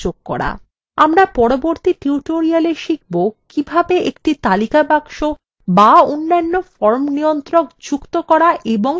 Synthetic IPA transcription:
oɡ̚kːɔ̰ɽa̰ | amɾapɔɾoboɾt̪iʈiuʈoɾialeʃik̚bokibʱabeʔekʈit̪alikabaŋʃo | baonːanːofɔɾmnijont̪ɾokd͡ʑukt̪okɔɾaʔeboŋ

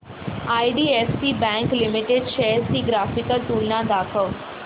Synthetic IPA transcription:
aːiɖiːesʈibɛ̃ŋklɪmiʈeɖʃesʈiɡɾaːfikəlʈuːlnãd̪akʰəʋ

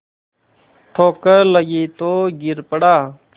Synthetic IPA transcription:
ʈʰoːkələɡiːt̪oːɡɪɾpəɽaː

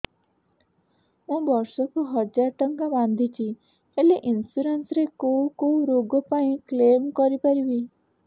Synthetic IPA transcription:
mũbɔɾsɔkuɦɔd͡ʒaɾʈɔŋkabãnd̪ʱit͡ʃʰi | heleʔinsuɾensɾekowkoɾoɡɔpaĩklemkɔɾipaɾibi

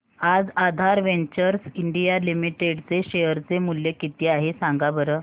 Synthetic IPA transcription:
ad͡zad̪ʱaɾʋeɲt͡ɕəɾsiɳɖijalimiʈeɖt͡seɕejəɾt͡semuljekit̪iːaɦesaŋɡabəɾə

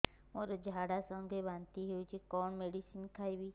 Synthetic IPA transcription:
moɾɔd͡ʒʱaɽasɔŋɡʱebant̪iɦeut͡ʃʰikɔnmeɖisinkʰajbi

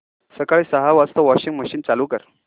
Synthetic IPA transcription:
səkaɭiːsəɦaʋast̪ɔʋɔɕiŋɡməɕiːnt͡saluːkəɾ

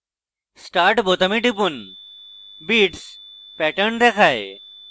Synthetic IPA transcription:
sʈaɾʈbot̪əmiʈipun | biːʈspɛʈəɾɳd̪ɛkʰaj

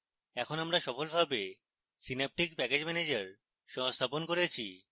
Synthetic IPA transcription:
ɛkʰonamɾaʃɔfolbʱabe | sinep̚ʈikpɛked͡ʑmɛned͡ʑaɾ | ʃɔŋst̪ʰaponkoɾet͡ɕʰḭ

